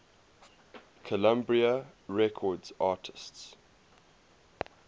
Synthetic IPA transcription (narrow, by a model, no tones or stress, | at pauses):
kʰəlãmbɹiəɹɛkʰɔdz̥ɑːˑtʰə̥sts